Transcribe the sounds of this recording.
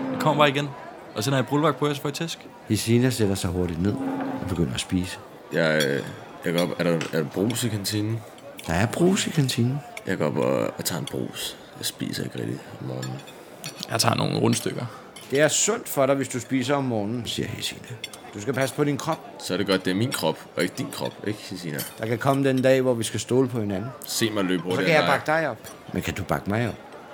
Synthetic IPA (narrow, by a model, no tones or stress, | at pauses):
d̥ekʰɒm̰ɐb̥ɑ̈ːiɡ̥en | ʔɒsenæɐjɑ̈b̥ʁulʋɑɡ̥̚pʰɒæsfɒ̽it͡sʰesɡ̥ | hesinæseɾ̥ɐsɑ̈ɪɦo̝ɐɾid̥ne̝ð̞̰ˠɒb̥e̝ɡ̥øn̰ɐæsb̥iːsə̥ | jɑ | jaɡ̥ɒb̥æɐɾaæɐɾab̥ʁo̰ːsikʰænt͡sʰinn̩ | d̥ɑ̈æɐb̥ʁo̰ːsikʰænt͡sʰiːnn̩jɑ̈ɪɡ̥ɒ̰b̥ɒ̰t͡sʰɑ̈ːenb̥ʁṵːs | jɑsb̥ḭːsɐḛɡʁɛ̰ɡ̥d̥iɒmːɒːnn̩ | jɑ̈ɪt͡sʰɑ̈ːno̰ːn̩ʁɔnsd̥øɡ̥ɐ | d̥e̝æɐsɔn̰d̥fɒ̽ɾɑ̈ɪʋe̝sd̥usb̥ḭːs̬ɐɒ̽mːɒːnn̩sḭːɐhḛsḭːnə | d̥usɡ̥æpʰæsə̥pʰɒ̽ɾinkʰʁɒ̽b̥̚ | sɒɐɾeɡ̥ɒd̥̚d̥e̝æɐminkʰʁɒb̥ɒe̝ɡ̥əd̥inkʰʁɒ̽b̥eɡ̥hisinəd̥ɑ̈kækʰɒ̽məd̥end̥ɛ̰ːʋɒʋisɡ̥æsd̥o̝ːləpʰɒ̽he̝nænn̩se̝̰ːmɑɪlø̰ːb̥ɔsɒkʰæjɑ̈bɑ̈ɡ̥əd̥ɑ̈ɪɒ̽b̥ | mʔenkʰæd̥ub̥ɑ̈ɡ̥əmɑ̈ɪɒ̽b̥̚